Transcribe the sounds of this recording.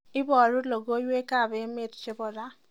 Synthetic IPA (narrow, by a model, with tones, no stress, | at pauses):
ɪ˦bɔ˨ɾu˦lo˨ɡo˦je˦ka˦˨be˦me˦˨tt͡ʃe˦bɔ˨ɾa˦